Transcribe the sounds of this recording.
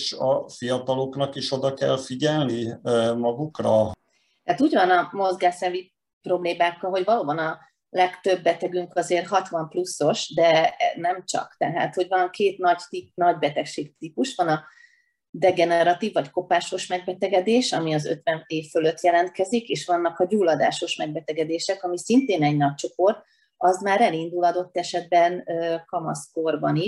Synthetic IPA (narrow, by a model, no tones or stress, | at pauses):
ʃɒfijɒt̪ɒlo̞knɒkiʃo̞d̪ɒkɛlfiɟɛlnimɒɡukrɒ | hat̪uːɟvɒnɒmo̞zɡaːsɛvi | pro̞bleːmaːkːɒlɦo̞ɟvɒloːbɒnɒ | lɛkt̪ø̞bːɛt̪ɛɡyŋkɒzeːrɦɒt̪ʋɒmplusːo̞ʃd̪ɛnɛmt͡ʃɒ̰kt̪ɛɦa̰ːt̪ho̞ɟvɒŋkʰeːt̪nɒɟt̪inɒɟbɛt̪ɛkʃeːɡt̪ipuʃʋɒnɒ | d̪ɛɡɛnɛɾɒt̪ivːɒcko̞paːʃo̞ʃmɛɡ̚bɛt̪ɛɡɛd̪eːʃɒmiɒzø̰t̪vɛneːfføløt̪jɛlɛnt̪̚kɛzikeːʃʋɒnːɒkɒɟuːlːɒd̪a̰ːʃo̞ʃmɛɡ̚bɛt̪ɛɡɛd̪eːʃɛkɒmisint̪eːnɛɟnɒc̚t͡ʃo̞po̞rt̪̚ | ɒzmaːɾɛlind̪ulɒd̪o̞t̪ːɛʃɛd̪̚bɛnøkɒmɒ̰skorbɒniʃ